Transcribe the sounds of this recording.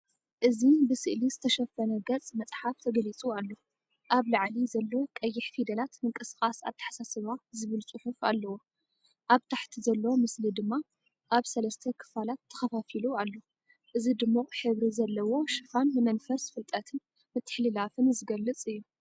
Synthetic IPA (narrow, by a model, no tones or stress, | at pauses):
ʔɨzibɨsɨʔlizɨt̪ʰɐʃɐfɐnɐɡɐt͡sʼmɐt͡sʼħaft̪ʰɐɡɐlit͡sʼualːo | ʔaβlaʕlizɐlːowokʼɐjːɪħfid̪ɐlat̪mɨŋkʼɨskʼasa̰βt̪ʰɨ̥ħḁsasɨβazɨβɨlt͡sʼɨħufa̰lːɐwo | ʔaβt̪ʰaħt̪ʰizɐlːɐwomɨslid̪ɨmːa | ʔaβsɐlɐst̪ʰɐkʰɨ̥falat̪ʰːɐ̥xɐfafilualːo | ʔɨzid̪ɨmːoħɨβɾizɐlːɐwo̞ʃɨfanmɨmɐnfɐsfɨlt̪ʼɐt̪ʰɨn | mɨt̪ʰːɨ̥ħlilafɨnzɨɡɐlːɨt͡sʼɨjːu